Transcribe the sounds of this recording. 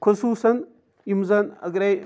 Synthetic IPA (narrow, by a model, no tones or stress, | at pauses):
kʰʷasusan | jimzana̰ɡɾa